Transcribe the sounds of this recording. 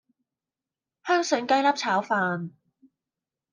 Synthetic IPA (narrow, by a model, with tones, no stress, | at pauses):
hœː˥ŋsɵ˨˥ŋkɐ˥jlɐ˥p̚t͡sʰaː˨˥wfaː˧n